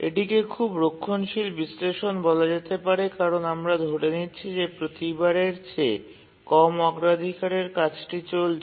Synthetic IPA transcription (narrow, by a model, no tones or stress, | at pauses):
ḛʈikekʰubɾokʰːonʃilbisleʃonbɔlad͡ʑet̪epaɾekaɾonamɾad̪ʱoɽenitːɕʰid͡ʑepɾot̪ibaɾeɾt͡ɕe | kɔmɔɡɾad̪ʱikaɾeɾkat͡ɕʰʈit͡ɕol